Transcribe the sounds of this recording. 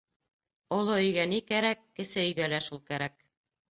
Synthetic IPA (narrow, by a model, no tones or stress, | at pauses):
ŏlˠoɵ̆jɡænikæɾækːɘ̆sɘɵ̆jɡælæʃulˠkæɾæk̚